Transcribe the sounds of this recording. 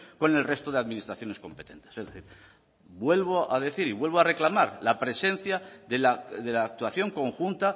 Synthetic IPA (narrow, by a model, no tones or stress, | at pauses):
ko̞ne̞lre̞st̪o̞ðeaðminist̪ɾaθjo̞ne̞sko̞mpe̞̥t̪e̞̰nt̪e̥sezðeθiɾ | bwe̞lβoʔaðe̞θiɾiβwe̞lβoare̞klamaɾlapɾe̞se̞n̟θjaðelaðe̞laːk̚t̪waθjo̞ŋko̞ŋxunt̪a